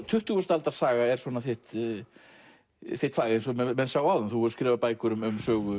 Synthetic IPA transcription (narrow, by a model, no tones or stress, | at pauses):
t̪ʰʏht̪ʏɣʏst̪alt̪aɾ̥saːɣaɛɾsvɔːnaθeht̪ | θeht̪faːɣensɔmɛmɛnsaːwaːwðʏmθuhɔɾskɾɛːvapaːjkʏɾʏmʏmsœːɣʏ